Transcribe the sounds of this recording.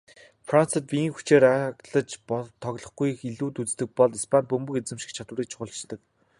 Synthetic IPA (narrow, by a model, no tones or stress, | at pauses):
fran̥t͡sə̆t̪̚pʲiiŋxu̥t͡ɕeːɾakɮə̆t͡ɕpɔt̪ʰːɔɣɮɞ̆χɡujxiɮuːt̪ut͡st̪ɘ̆k̚pɔɮispʰant̪̚pɵmbɵ̆ket͡sɘ̆mʃĭ̥kt͡ɕʰat̪wə̆riːk̚t͡ɕʰʊχʊ̆ɬt͡ɕt̪ə̆k̚